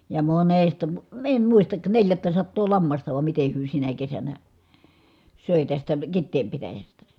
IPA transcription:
jɑ monestɑ mŭ em muistɑk neljætːæsɑtːoː lɑmːɑstɑ ʋɑm mite hyø sinæ kesænæ søˑe tæstæ kitːeːm pitæjæstæ

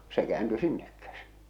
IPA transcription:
se kĕæːnty sinːek kæsin̥

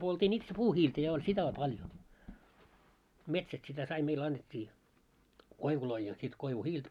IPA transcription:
poltiːn itse puːhiːltæ jɑ olʲ sitæ o pɑljo metsæst sitæ sɑi meil ɑnːetʲːiː koiʋuloi jɑ sit koiʋuhiːlt

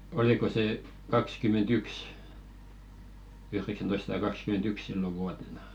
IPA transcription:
oliko seˑ kɑkskymentyks yhreksæntoisːɑ̆tɑ kɑkskymentyks silːo ʋuɑtenɑ

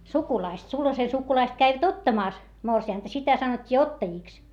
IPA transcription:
sukulɑist sulhɑse sukulɑist kæiʋæt otːɑmɑˑs morsiɑˑntɑ sitæ sɑnotʲːiː otːɑjiˑks

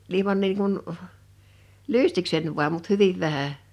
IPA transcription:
ilĭmɑn niːŋ kun lystiksenʲ ʋu̞ɑm mut hyʋiʋ ʋæhæ

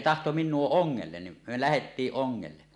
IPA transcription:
tɑhto minˑuo oŋːelːen nim me læhetːiːʔ ʔoŋːelːe

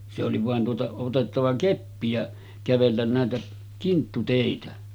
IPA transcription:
se oli ʋɑˑen tuotɑ otetːɑʋɑ kepːi jɑ kæʋelːæn næˑetæ kintːuteˑitæ

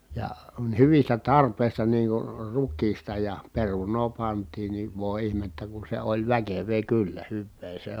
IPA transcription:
jɑ hyʋistæ tɑrpeˑi̯stɑ niːŋ kur rukˑiːstɑ jɑ perunˑoː pɑntˑiːn ni ʋoˑi̯ ihmetːæ ku se olʲ ʋækeʋˑeː kylːæ hyʋːeː se

